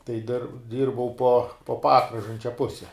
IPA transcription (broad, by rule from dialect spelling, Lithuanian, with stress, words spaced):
tɐɪ dʲɪr ˈdʲiːrbɐʊ poː poː ˈpɑːkrɐʒɐnʲt͡ʃʲɛ ˈpʊsʲɛ